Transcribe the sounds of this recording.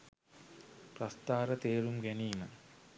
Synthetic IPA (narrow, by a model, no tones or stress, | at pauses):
prɐst̪aːɾət̪eːɾumɡæniːmə̰